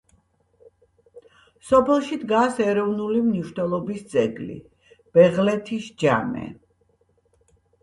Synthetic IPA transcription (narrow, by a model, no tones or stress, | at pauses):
sɔpʰɛlˠʃid̪ɡasɛɾɔvnulimniʃnwɛlˠɔbist̪sʼɛɡlḭ | b̥ɛʁlɛt̪ʰisd͡ʒa̰mɛ̰